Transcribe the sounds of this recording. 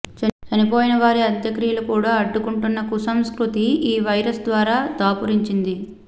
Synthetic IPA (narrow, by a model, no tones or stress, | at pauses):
t͡ʃɐt͡ʃɐnipoːjinɐʋaːɾiɐd̪jɐkɾijlukuːɽaːɐɖːukuɳʈunːɐkusɐmskɾut̪iiːʋɐjɾɐsd̪ʋaːɾaːd̪aːpuɾiɲt͡ʃind̪i